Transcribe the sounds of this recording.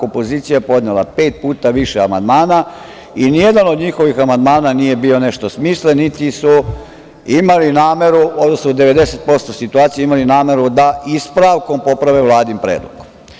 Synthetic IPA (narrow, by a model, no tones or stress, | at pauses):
o̞po̞ziːt̪sijapo̞d̪nelˠa̰pe̞ːt̪̚puːt̪aʋiʃeama̰nd̪maːna | inijed̪ano̞d̪ɲixo̞ʋixamand̪maːnanije̞biːo̞ne̞ʃt̪o̞smiːslenit̪isu | imalinaːme̞ɾuod̪osnuoud̪eʋe̞d̪ese̞t̪̚po̞st̪osit̪uaːt̪sijeimalinaːme̞ɾud̪aispɾaʋko̞mpo̞pɾaʋeʋlˠaːd̪impɾeːd̪lṵku̥m